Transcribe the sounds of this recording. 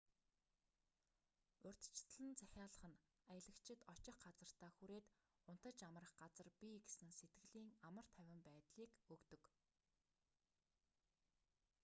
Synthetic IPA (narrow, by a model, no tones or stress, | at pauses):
ʊrʲt̪̆t͡ɕsɮɘ̆nt͡sʰæxʲaːɮə̆χə̆n | ajə̆ɮə̆kt͡ɕʰɪ̆t̪ɔt͡ɕɪ̆χɢat͡sə̆r̥t̪aːxuɾeːt̪ | ʊn̥t̪ə̆t͡ɕamə̆rə̆χɢat͡sə̆rpʲiɡesɘ̆ŋset̪̚ɡɘ̆ɮiːŋamə̆r̥t̪ʰæwʲɪ̆mpæːt̪ɮiːkɵkt̪ɵ̆k